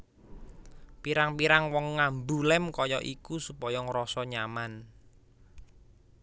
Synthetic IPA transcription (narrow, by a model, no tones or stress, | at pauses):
piɾaŋpiɾaŋwɔŋːambulɛmkɔjɔʔikusupɔjɔŋɾɔsɔɲaman